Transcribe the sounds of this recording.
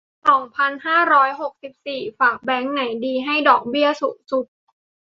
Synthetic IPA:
sɔː˩˦ŋpʰa˧nhaː˥˩ɾɔː˦˥jɦo˨˩k̚si˨˩p̚siː˨˩faː˨˩k̚bɛː˦˥ŋna˩˦jdiː˧ɦa˥˩jdɔː˨˩k̚bi˥˩əsu˨˩su˨˩t̚

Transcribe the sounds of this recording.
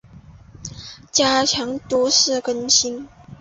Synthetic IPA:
t͡ɕja˥t͡ɕʰjɑ˧˥ŋt̪u˧˥ʂɻ̩˥˩kə˥nɕi˥n

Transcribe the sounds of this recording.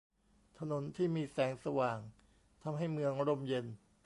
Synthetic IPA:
t̪ʰa˧no˩˦nt̪ʰiː˥˩miː˧sɛː˩˦ŋsa˧waː˨˩ŋ | t̪ʰa˧mɦa˥˩jmɯ˧əŋ˦ɾo˧mje˧n

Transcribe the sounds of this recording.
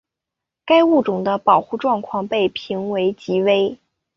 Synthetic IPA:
ka˥ɪu˥˩ʈ͡ʂʊ˨˩ŋd̪ə˦pɑ˨˩ʊxu˥˧ʈ͡ʂwɑ˥˧ŋkʰwɑ˥˧ŋpe˥˩ɪpʰi˧˥ŋwe˧˥ɪt͡ɕi˧˥we˥ɪ

